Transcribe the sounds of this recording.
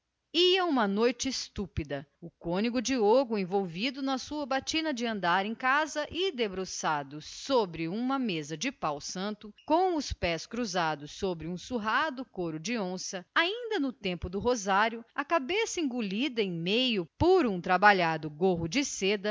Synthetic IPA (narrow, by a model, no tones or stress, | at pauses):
iɐũmɐnojt͡ʃɪːst̪upid̪ɐʊkõniɡʊd͡ʒɪoɡʊẽvowvid̪ʊnɐsuɐbat͡ʃĩnɐd͡ʒɪɐ̃nd̪aɾẽkazɐʔɪd̪ebɾosad̪ʊsobɾɪũmɐmezɐd͡ʒɪpawsɐ̃nt̪ʊkõw̃ʊspɛskɾuzad̪ʊsːobɾɪũsuɦad̪ʊkoɾʊd͡ʒɪõsɐaĩnd̪ɐnʊt̪ẽmpʊd̪ʊɦozaɾjʊɐkabesɐĩɡulid̪ɐẽj̃mejʊpoɾũt̪ɾabaʎad̪ʊɡoɦʊd͡ʒɪsed̪ɐ